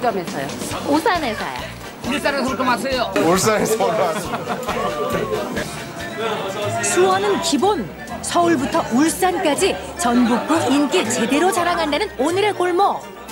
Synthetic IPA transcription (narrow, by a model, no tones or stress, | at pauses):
d͡ʑʌmesʰʌjoosʰanesʰa̰ja̰ | uɾit͈aɾakot͈oŋasʰejouɭs͈anesʰʌa | sʰuʌnɯnkibon | sʰʌuɭbutʰʌʔuɭs͈ank͈ad͡ʑi | t͡ɕʌnbuk̚k͈uɡink͈it͡ɕe̞de̞ɾot͡ɕʰaɾaŋɦandanɯnonɯɾe̞koɭmʌ